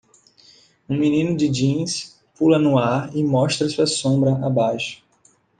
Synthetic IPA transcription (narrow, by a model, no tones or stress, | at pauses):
ũminĩnʊd͡ʒɪd͡ʒĩs | pulɐnuaɾɪmɔʃt̪ɾɐsuɐsõbɾɐʔabajʃʊ̥